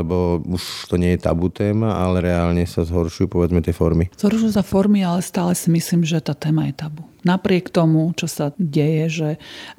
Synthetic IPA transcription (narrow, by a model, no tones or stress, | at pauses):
ɛbɔuʃt̪ɔɲɪɛjɛt̪a̰but̪ɛːmaʔalɛɾɛaːlɲɛsazɦɔɾʃujupɔʋɛd͡zmɛt̪ɪɛfɔɾmiz̥ɦɔɾʃujusafɔɾmialɛst̪aːlɛsimisliːmʒɛt̪aːt̪ɛːmajɛt̪abunapɾɪɛkt̪ɔmut͡ʃɔsaɟɛjɛʒɛ